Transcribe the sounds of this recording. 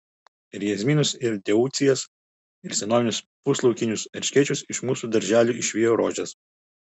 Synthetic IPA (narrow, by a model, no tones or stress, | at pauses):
ɪɾjɛzʲmʲiːnʊsɪɾd̪ʲɛuːt̪sʲɪjɛs | ɪɾsʲɛnoːʋʲɪnʲʊs | pʊslˠɐʊkʲɪnʲʊsɛɾʲʃʲkʲɛɪt͡ʃʲʊsɪʃmuːsuːd̪ɐɾʲʒʲæːlʲuːɪʃʲʋʲiːjoːɾoːʒʲɛs